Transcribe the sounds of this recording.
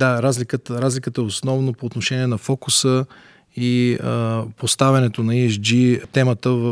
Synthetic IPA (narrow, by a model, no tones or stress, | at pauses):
d̪aɾazlʲikət̪əɾazlʲikət̪əɛosnɔvnopoːt̪noʃɛniɛnɐfɔkusə | i | post̪avʲɐnɛt̪onɐiɛt͡ʃd͡ʒit̪ɛmət̪əv